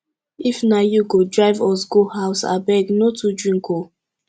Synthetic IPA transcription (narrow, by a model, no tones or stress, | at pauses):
ifnajuɡodɹaɪvɔsɡohaʊsa̰bɛɡnotudɹĩŋko